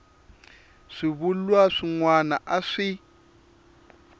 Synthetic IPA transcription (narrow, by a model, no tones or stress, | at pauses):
ʂiβulwaʂiŋwana̰ʔaʂi